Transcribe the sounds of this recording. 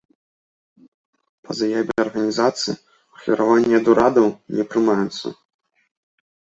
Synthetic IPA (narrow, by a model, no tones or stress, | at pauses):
pɐzajabʲɛɐrɣɐnʲizat̪sɨi | ɐxʲḭɾavanʲːiɐd̪uɾad̪ɐwnʲɛpɾɨmajut̪sːɐ̰